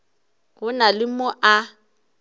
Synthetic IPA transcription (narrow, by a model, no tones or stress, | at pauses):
ɣʊnalɪmɔʔa